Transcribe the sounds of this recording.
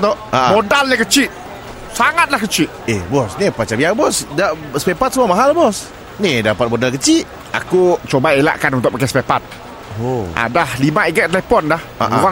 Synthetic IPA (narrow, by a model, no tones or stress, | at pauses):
t̪ɔʔmodalɲəkət͡ʃiʔ̪̚ | saŋat̪̚lahkət͡ʃiʔ̪̚ebɔsnipat͡ʃabiabɔsdasə̥pepat̪səmuamaɦalbɔs | nidapat̪̚modalkət͡ʃiʔ | a̰kut͡ʃobaela̰ʔkanunt̪ʊʔpakaspɛpat̪̚ | oʔa̰dahlimaʔiɡɛʔ̚t̪əlɛpɔndaha̰uʁa